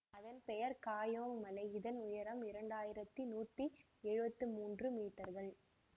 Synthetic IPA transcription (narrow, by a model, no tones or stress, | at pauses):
ɐðɐnpɛjɐɾkaːjoːŋmɐnɐɪɪðɐnʊjɐɾɐmɪɾɐɳɖaːjɪɾɐt̪ːinuːʈ̪ːi | ɛɻɯbɐt̪ːɯmuːndrɯmiːʈːɐɾɣɐɭ